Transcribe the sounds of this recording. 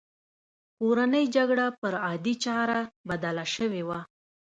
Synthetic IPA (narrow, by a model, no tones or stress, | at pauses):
koɾanəjd͡ʒaɡɽapəɾɑd̪it͡ʃɑɾabad̪ɑlaʃəwewa